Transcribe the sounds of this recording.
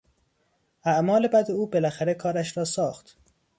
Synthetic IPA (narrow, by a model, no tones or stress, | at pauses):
ʔæʔmɒːle̞bæd̪euːbe̞læxæɾe̞kʰɒːɾæʃɾɒːsɒːxt̪